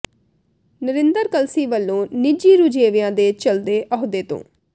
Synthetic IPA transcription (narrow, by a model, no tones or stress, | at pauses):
nəɾɪnd̪əɾkəlsiːʋəlːõːnɪd͡ʒiːɾud͡ʒeːʋɪjãːd̪eːt͡ʃəld̪eːʔɔɦd̪eːt̪õ̰ː